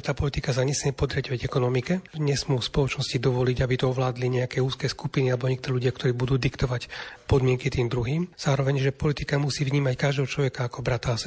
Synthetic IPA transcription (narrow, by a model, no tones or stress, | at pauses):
t̪aːpɔlit̪ikas̬aɲɛsmɪɛpɔd̪ɾaɟɔʋaɟɛkɔnɔmikɛɲɛsmuːspɔlɔt͡ʃnɔscid̪ɔʋɔliɟabit̪ɔɔʋlaːd̪liɲɛakɛːuːskɛːskupinialɛbɔɲɛk̚t̪ɔɾɛʎuɟɪakt̪ɔɾiːbud̪uːd̪ikt̪ɔʋacpɔd̪mɪɛŋkit̪iːmd̪ɾuɦiːmz̥aːɾɔʋɛɲʒɛpɔlit̪ikamusiːvɲiːmackaʒd̪ɛɦɔt͡ʃlɔʋɛkaːkɔbɾat̪aːsɛ